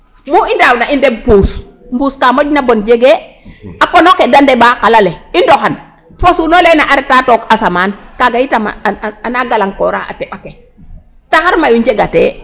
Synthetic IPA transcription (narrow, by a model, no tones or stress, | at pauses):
muindawnaʔindebpus | mbuːskamoɟnabond͡ʒeɡe | aponokedandebakalaleindoxan | posunolenaʔaɾɛtatokasamaːnkaɡajitama̰anaɡalaŋkoɾaʔa̰teɓake | taxaɾmajuɲd͡ʒeɡatḛ